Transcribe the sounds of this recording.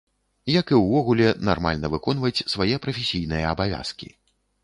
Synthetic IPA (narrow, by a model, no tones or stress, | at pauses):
jɐkɨwvɔɣulʲɛna̰rma̰lʲnɐvɨkɔnvɐt͡sʲsvajɛpɾɐfʲesʲijnɨjɐːbavʲa̰skʲḭ